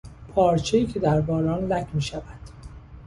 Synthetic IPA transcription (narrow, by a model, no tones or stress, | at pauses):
pʰɒːɾt͡ʃʰejiːcʰe̞d̪æɾbɒːɾɒːnlæcmiːʃævæd̪̥